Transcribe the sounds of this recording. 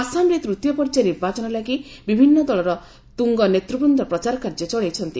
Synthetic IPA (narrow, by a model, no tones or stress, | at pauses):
asamɾet̪ɾut̪jɔpɔɾt͡ʃeniɾbat͡ʃɔnɔlaɡibibʱinːɔd̪ɔɭɔɾɔ | t̪uŋɡɔnet̪ɾupund̪ɔpɾɔt͡ʃaɾɔkaɾd͡ʒet͡ʃɔɭejt͡ʃʰɔnt̪i